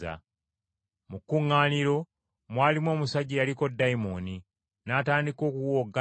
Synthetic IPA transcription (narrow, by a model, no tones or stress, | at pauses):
a̰ | mukːuŋːaːniɾo̞ | mwaːlimwo̞ːmusaɟːijaliko̞dːajimoni | naːtaːndiko̞ːkuwoɡːa